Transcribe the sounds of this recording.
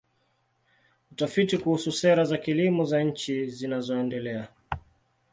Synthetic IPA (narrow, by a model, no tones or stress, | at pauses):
utafitikuhususɛɾazakilimɔzaɲ̩t͡ʃizinazɔɛndɛlɛa